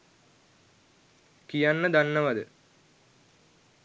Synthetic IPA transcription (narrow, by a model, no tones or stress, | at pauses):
kijɐnːɐd̪ɐnːɐʋɐðɨ̰